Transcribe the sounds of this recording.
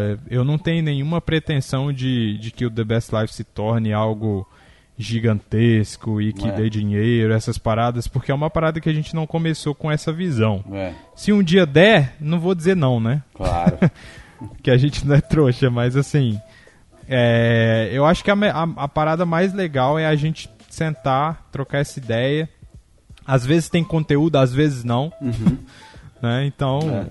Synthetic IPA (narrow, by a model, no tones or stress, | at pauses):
ɛewnɐ̃w̃t̪ẽɲʊnẽɲ̃ũmɐpɾet̪ẽsɐ̃w̃d͡ʒɪd͡ʒɪkɪʊd̪ebɛslajfsɪt̪ɔɾnɪawɡʊ | ʒiɡɐ̃nt̪eskʊɪkɪd̪ed͡ʒĩɲejjɾʊɛsɐspaɾad̪ɐspʊɾkeɛũmɐpaɾad̪ɐkɪaʒẽt͡ʃɪnɐ̃w̃kõmesokõɛsɐvizɐ̃w̃ɛ | sɪũd͡ʒiɐd̪ɛnɐ̃w̃vod͡ʒizeɾnɐ̃w̃nɛkla̰ɾ̰ | pkɪaʒẽnt͡ʃɪnɐ̃w̃ɛt̪ɾoʃɐmɐzasĩ | ɛewaʃʊ̥kɪamɛʔaɐpaɾad̪ɐmajzleɡawɛaʒẽnt͡ʃɪ̥ | sẽnt̪at̪ɾokaɾɛsɐid̪ɛjɐ | azvezɪst̪ẽj̃kõnt̪eud̪ʊazvezɪznɐ̃w̃ | nɛẽt̪ɐ̃w̃